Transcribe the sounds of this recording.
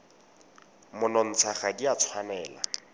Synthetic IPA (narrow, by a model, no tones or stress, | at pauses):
mʊnɔn̩t͡sʰaχadiat͡sʰwanɛːla̰